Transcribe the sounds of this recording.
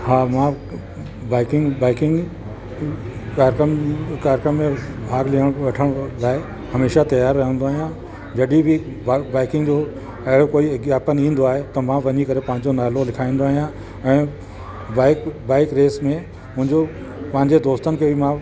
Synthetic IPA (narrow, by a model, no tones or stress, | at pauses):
haːmã | baːɪkɪŋɡbaːɪkɪ̃ŋɡ | kaːɾkɾəmkaːɾkɾəmːẽbʱaːɡliɦəɽ̃ʋɐʈʰəɽ̃laːe | hɐmeːʃat̪ɐjaːɾːɐɦjə̃nd̪oaːɦijã | d͡ʑɐɗibʱɪ | baːɪkɪ̃ŋɡd͡ʑoː | ɐɦɪɽokoːiɡjaːpənĩːnd̪oaːɦet̪ɐmãʋɐɲikɐɾepɐ̃ɦɪ̃ɲ̆d͡ʑonaːlolɪkʰaːĩːn̆d̪oaːɦijã | ɛ̃ː | baːɪkbaːɪkɾeːsmẽ | mʊ̃ɦɪ̃ɲd͡ʑo | pɐ̃ɦɪ̃ɲd͡ʑed̪oːst̪ənɪ̆kʰeːbʱimã